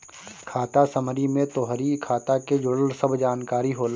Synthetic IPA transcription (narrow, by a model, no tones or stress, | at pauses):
kʰaːt̪asəmɾimẽt̪oːɦɾikʰaːt̪aked͡ʒʊɽəlsəbʱd͡ʒaːnkaːɾiɦoːl